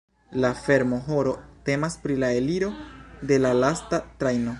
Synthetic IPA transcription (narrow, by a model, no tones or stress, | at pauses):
lafe̞ɾmo̞ɦo̞ɾo̞te̞maspɾilae̞liɾo̞de̞lalastatɾajno̞